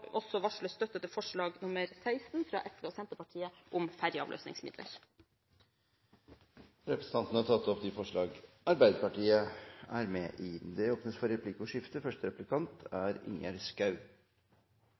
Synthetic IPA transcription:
ɔsɔʋɑʂɭəst̪œt̪ət̪əfɔʂɭɑːɡnʊməɾsæɪst̪n̩fɾɑ̰ːʔɛfeoːsɛnt̪əpɑʈʰiːəʔʊmfæɾjəɑ̰ʋlø̰ːsnɪ̰ŋsmɪ̰d̪lə̰ɾ | ɾɛpɾəsən̩t̪ɑnt̪n̩əhɑʈ̪ʰɑt̪ːɔpd̪ifɔʂɭɑːɡʔɑɾbæɪd̪əpɑʈiːəæɾmɛʔɪd̪ɛoːpnəsfɔɾɛpʰliːkʊʂɪft̪əfœʂʈəɾɛplɪkʰɑnt̪æɾɪ̰ŋæ̰ɾskɑʉ

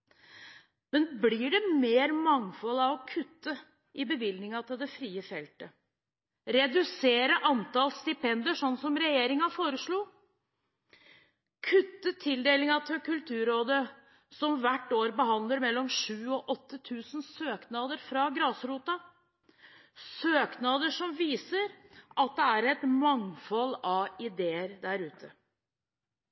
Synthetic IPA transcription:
mɛnbliːɖɛmeːɾmɑŋfɔlɑʋɔkʰʉt̪ːə | ʔɪbəʋɪld̪nɪŋɑt̪ʰɪld̪ɛfɾiːəfɛlt̪ə | ɾɛd̪ʉseːɾəʔɑnt̪ɑlst̪ɪpʰɛnd̪əʂɔnːsɔmɾɛjeːɾɪŋɑfoːɾəʂɭuː | kʰʉt̪ːət̪ʰɪld̪eːlɪŋɑt̪ʰɪlkʉlt̪ʰʉːɾoːd̪ə | sɔmʋæʈːoːɾbəɦɑnd̪ləɾmɛlːɔmʂʉːɔʔɔt̪ʰːət̪ʰʉːsən̩søːknɑːd̪əɾfɾɑɡɾɑːsɾuːt̪ɑ | søːknɑd̪əʂɔmʋiːsəɾʔɑt̪̚d̪ɛæɾɛt̪mɑŋfɔlɑʋɪd̪eːəɾd̪æɾʉːt̪ʰə

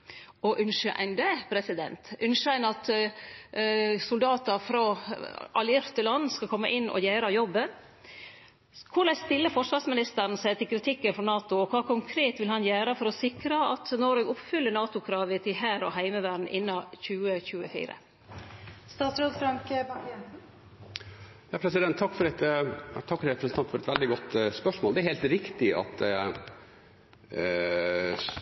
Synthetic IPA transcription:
ɔʔʉnʂəʔæ̰ɪnd̪ɛpʰɾɛsɪd̪ɛ̰nt̪ʔʉnʂəæɪnɑt̪ | sʊld̪ɑːt̪ɑfɾɑ | ɑ̰lɪɾt̪əlɑnːskɑkʰɔmːəʔɪnːʔɔ̰jæːɾɑjɔbːən | kʰʊlæst̪ɪlːəfɔʂʋɑsmɪnɪst̪əɾn̩sæɪt̪ʰɪlkʰɾɪt̪ʰɪkːənfɔnɑːt̪ʊɔkʰɑːkʰʊŋkʰɾeːt̪ʋɪlhɑnjæːɾəfɔɾɔsɪkɾɑɑ̰t̪nɔɾɛɡʊpfʏlːəɳɑːt̪ʊkʰɾɑːʋət̪ʰɪɦæːɾɔ̰ɦæɪməʋæːɖn̩ʔɪnːɑçʉːəçʉːəfḭːɾə̰ | st̪ɑːt̪sɾoːd̪fɾɑŋkə | jɑːpʰɾɛsɪd̪ɛnt̪ʰːɑkːfɔɾɛt̪t̪ʰɑkːɾɾɛpɾəsnʰɑnt̪fɔɾɛt̪ʋɛld̪ɪɡɔt̪ːspœʂmoːld̪ɛæɾheːlt̪ɾɪkt̪ɪɑ̰t̪

